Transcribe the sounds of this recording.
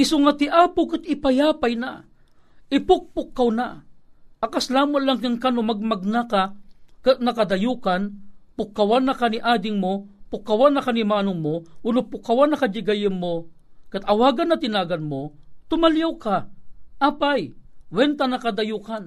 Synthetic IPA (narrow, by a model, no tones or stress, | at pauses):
ʔɪsʊŋat̪ɪʔaːpʊkat̪̚ɪpajaːpajna̰ | ɪpʊk̚pʊkːawna̰ | ʔakaslaːmʊnlaŋkaŋkanomaɡ̚maɡ̚nakakaʔ̪̚nɐkad̪ɐjuːkanpʊkːawanːakaniʔaːd̪ɪŋmopʊkːawanːɐkanimaːnʊŋmowʊnʊpʊkːawanːɐkad͡ʒɪɡajɪnmokat̪ɐwaːɡanːɐat̪ɪnaːɡanmot̪ʊmaljawkaʔaːpajwɛnt̪anakad̪ajuːkan